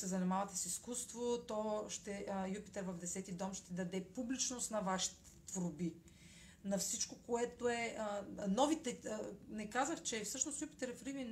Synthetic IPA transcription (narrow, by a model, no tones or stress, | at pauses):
sɛzɐnimavɐt̪ɛsiskust̪vot̪ɔʃt̪ɛjupi̥t̪ɛɾvɐvd̪ɛsɛt̪id̪ɔmʃt̪ɛd̪ɐd̪ɛpublit͡ʃnost̪nɐvaʃi̥t̪ɛ̥t̪vɾobi | nɐfsit͡ʃkokoɛt̪oɛənɔvit̪ɛnɛkazəxt͡ʃɛfsɤʃnosjupi̥t̪ɛɾfɾivin